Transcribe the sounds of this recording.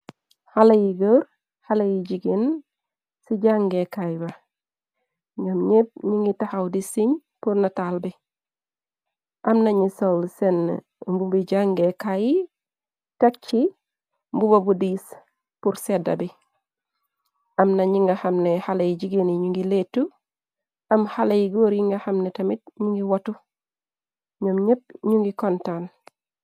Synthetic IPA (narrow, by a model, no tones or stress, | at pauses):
halajiɡoɾ | halajiɟiɡin | siɟaŋɡekajba | ŋɡɐmɲet̚ɲiŋɡitahawdisiɲ | puɾnatalbi | ʔamnaɲisolsen̰ː | mbubiɟaŋɡekaji | tek̚t͡ʃi | mbubabudis | puɾseda̰bi | amnaɲiŋɡahamnehalejiɟiɡeniɲuŋɡiletːu | ɐmhalejiɡoːɾjiŋɡahamnetɐmit̚ɲuŋɡiwatu | ɲomɲep̚ɲuŋɡikontan